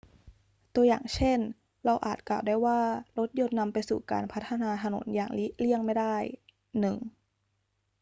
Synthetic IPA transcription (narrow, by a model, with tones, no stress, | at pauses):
t̪u˧ɐjaː˨˩ŋt͡ɕʰe˥˩n | ɾa˧wʔa̰ː˨˩t̪̚klaː˨˩wdaː˥˩jwaː˥˩lo˦˥t̪̚jo˧t̪̚na˧mpa˧jsuː˨˩ka̰ː˧npʰa˦˥t̪ʰːa˧naː˧t̪ʰa˧no̰˨˩˦njaː˨˩ŋli˦˥ʔli˥˩əŋma˥˩jda˥˩j | nɯ˨˩ŋ